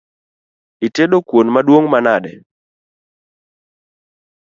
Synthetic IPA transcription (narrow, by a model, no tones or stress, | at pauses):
iteɗokwonmaɗwoŋmanaɗɛ̰